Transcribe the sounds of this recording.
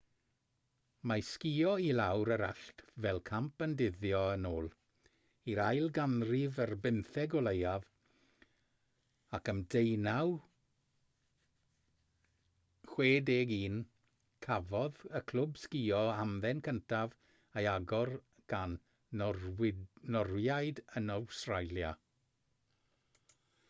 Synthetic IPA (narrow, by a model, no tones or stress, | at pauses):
maskiːɔilawɾəɾa̰ɬtvɛlˠkʰampəndɪðjɔənoːlˠ | iɾajlˠɡanrɪvərbɪnθɛɡɔlˠejav | akəmdejnaw | χweːdeːɡiːn | kʰavɔðəkʰl̥ʊbskiːɔamðɛnkʰəntʰav | ejaɡɔr | ɡ̥an | nɔrwjajdənɔwstrajlja